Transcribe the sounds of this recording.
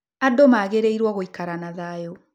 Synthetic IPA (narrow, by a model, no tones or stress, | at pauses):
adomaɣeɾeiɾwɔɣoikaɾanaðajo